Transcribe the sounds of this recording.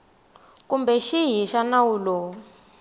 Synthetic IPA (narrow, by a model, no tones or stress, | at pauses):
kumbɛʃiɦiʃanawulɔ